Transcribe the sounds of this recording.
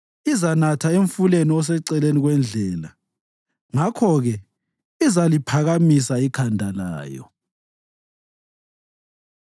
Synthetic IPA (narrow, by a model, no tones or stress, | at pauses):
izanatʰaeɱfuleniɔs̬ɛǀɛleniɣwɛnd͡ɮʱɛːla | ŋakʰɔɣɛ | izalipʰaɣamisaikʰandʱala̰ːjɔ̰